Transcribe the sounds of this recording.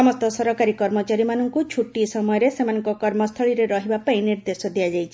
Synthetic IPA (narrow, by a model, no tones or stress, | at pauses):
ɔmɔst̪ɔsɔɾɔkaɾikɔɾmɔt͡ʃaɾimanɔŋkut͡ʃʰuʈisɔmɔjɔɾesemanɔŋkɔkɔɾmɔst̪ʰɔɭiɾeɾɔɦibapaĩniɾd̪esɔd̪iad͡ʒajt͡ʃʰi